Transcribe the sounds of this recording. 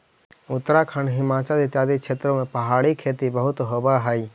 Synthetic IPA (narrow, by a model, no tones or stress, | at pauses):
ʊt̪ːəɾakʰəɳɖɦɪmaːt͡ʃalɪt̪jaːd̪it͡ʃʰeːt̪ɾõmẽpəɦaːɽikʰeːt̪ibəɦʊt̪ɦobaɦəi